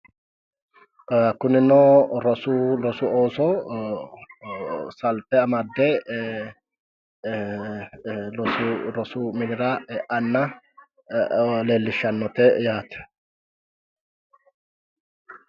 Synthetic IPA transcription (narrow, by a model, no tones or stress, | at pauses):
kʊnɪnoːɾɔsulɔsuoːsɔː | sɐlt̪ɛɐmɐd̪ːeː | lɔsɾɔsuːmɪnɪɾaːʔɐnːɐ | leːlːɪʃɐnːɔt̪ejaːt̪ɛ̥